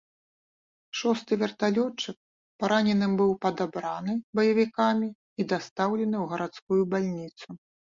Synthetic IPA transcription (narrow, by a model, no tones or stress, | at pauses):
ʂɔst̪ɨvʲɛrt̪alʲɔt͡ʂɨk̚ | paɾanʲɛnɨmbɨwpɐd̪abɾanɨbɐjɐvʲikamʲi | id̪ast̪awlʲɛnɨwɣɐɾat̪skujubalʲnʲit̪su